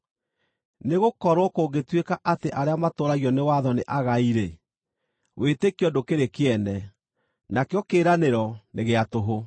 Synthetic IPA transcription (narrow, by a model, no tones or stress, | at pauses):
neɣokɔɾwɔkoɡetwekaʔateʔaɾeamatoːɾaɣiɔnewaðɔneʔaɣaiɾe | wʔetekiɔdokeɾekeɛnɛ | nakeɔkeːɾaneɾɔneɣeatoɦo